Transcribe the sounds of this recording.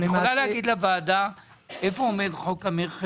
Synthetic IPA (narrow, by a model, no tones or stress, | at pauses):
jeχolalehaɡid̪lavaːda | efoomed̪χokameʁχ